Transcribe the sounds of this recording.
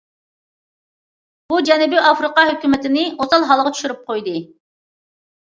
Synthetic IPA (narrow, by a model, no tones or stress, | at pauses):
b̥ud͡ʒɛnɪbɪʔɑfɾɨqɑɦøkʲymɪt̪ʰɪnɪosɑlˠɦɑlˠʁɑt͡ʃʰy̥ʃyɾyp̚qʰojd̪ɨ